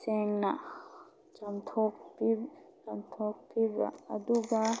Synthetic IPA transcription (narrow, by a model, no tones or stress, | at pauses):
sɛŋna | t͡ʃamt̪ʰɔk̚pit͡ʃamt̪ʰɔk̚piba̰ːduɡa